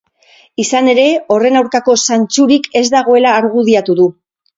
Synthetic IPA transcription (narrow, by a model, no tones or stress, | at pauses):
isane̞ɾe̞o̞re̞nawɾkako̞sant͡suɾike̞zd̪aɣo̞e̞laːɾɣuðiat̪uðu